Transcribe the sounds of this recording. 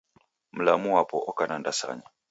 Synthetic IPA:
m̩lamuwapɔʔɔkanandasa̰ɲa

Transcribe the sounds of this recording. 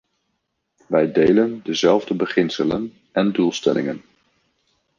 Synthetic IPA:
ʋɛjdejləndəzɛlˠvdəbəχɪnsələn | ɛndulˠstɛ̰lʔɪ̰ŋən

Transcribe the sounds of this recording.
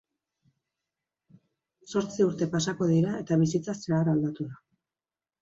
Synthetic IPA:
so̞ɾt͡siuɾt̪e̞pasako̞ðiɾae̞t̪aβ̞isit͡saseaɾald̪at̪uða

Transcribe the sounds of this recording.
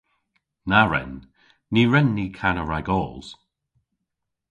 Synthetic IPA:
naɹɛ̰nː | iːɹɛnːiːkʰanəɹaɡɔːlˠz̥

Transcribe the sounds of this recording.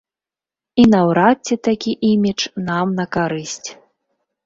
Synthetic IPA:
inɐwɾat͡sʲːɛt̪akʲiʔimʲit͡ʂnamnɐkaɾɨsʲt͡sʲ

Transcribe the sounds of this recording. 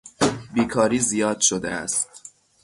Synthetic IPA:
biːkʰɒːɾiːzijɒːd̪̥ʃod̪ḛæ̰stt̪̚

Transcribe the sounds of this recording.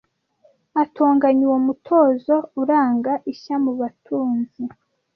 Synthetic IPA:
atʰoːŋɡaɲiwomutʰo̞ːzo̞uɾaːŋɡaʔiçamuβatʰuːnzi

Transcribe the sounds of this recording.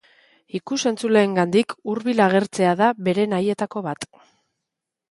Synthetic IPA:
ikuse̞nt͡sule̞ːŋɡand̪ikuɾβilaɣ̞e̞ɾt͡se̞aðaβe̞ɾe̞naje̞t̪ako̞βat̪

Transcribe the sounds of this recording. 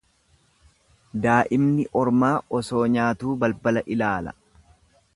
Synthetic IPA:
d̪aːʔɪmnɪʔɔɾmaːʔɔsoːɲaːt̪uːbɐlbɐlɐʔɪlaːlɐ̰

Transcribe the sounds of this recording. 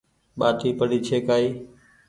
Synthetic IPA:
ɓaːt̪ʰiːpəɽiːt͡ʃʰeːkaːiː

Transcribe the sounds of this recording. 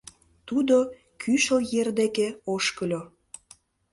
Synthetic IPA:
t̪ud̪o | kʰyʃəjerd̪ekeoʃkəlʲo

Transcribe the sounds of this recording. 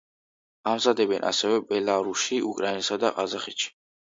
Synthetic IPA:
amzad̪ɛbɛnʔa̰sɛvɛbɛlaɾusiʔukʼɾainɛsad̪aqʼazaχit̪ʃi̥

